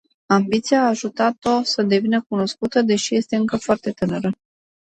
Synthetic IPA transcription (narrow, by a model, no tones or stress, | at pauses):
ambit̪siaːʒut̪at̪o̞səd̪e̞vinək̚uno̞skut̪əd̪e̞ʃije̞st̪e̞ɨŋkəfoart̪e̞t̪ɨnəɾə